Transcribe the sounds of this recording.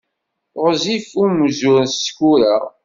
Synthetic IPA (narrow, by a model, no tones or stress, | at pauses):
ʁzifumzʊɾskuɾæ